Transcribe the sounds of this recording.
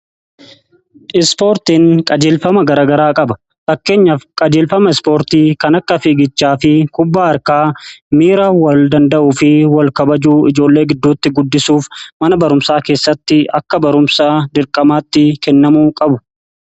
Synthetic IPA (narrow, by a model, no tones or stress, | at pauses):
ʔɪspo̞ːɾt̪iːŋkʼɐd͡ʒeːlfɐmɐɡɐɾaːɡɐɾaːkʼɐbɐ̥ | fɐkːe̞ːɲːɐfkʼɐd͡ʒe̞ːlfɐmɐɪspo̞ːɾt̪iːkɐnɐkːɐfiːɡɪt͡ʃːaːfɪkʊbːaːɐɾkaːmiːɾaːwɐld̪ɐnd̪ɐʔʊfɪwɐlkɐbɐd͡ʒuːɪd͡ʒo̞ːlːe̞ːɡɪd̪ːuːt̪ːɪɡʊd̪ːɪsuːfmɐnɐbɐɾʊmsaːke̞ːsːɐt̪ːɪɐkːɐbɐɾʊmsaːd̪ɪɾkʼɐmaːt̪ːɪkɛnːɐmuːkʼɐbʊ̥